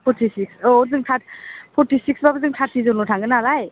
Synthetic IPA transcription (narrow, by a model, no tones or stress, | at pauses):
pʰɔɾtʰisiksɔzɯŋtʰapʰɔɾtisiksbabɯzɯŋtʰaɾtʰizɔnɔtʰaŋɡɯnalaj